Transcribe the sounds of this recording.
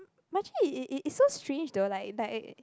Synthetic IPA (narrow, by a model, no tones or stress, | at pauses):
mat͡ʃəlʔɪtsostʰɹẽnd͡ʒdolaɪk̚lak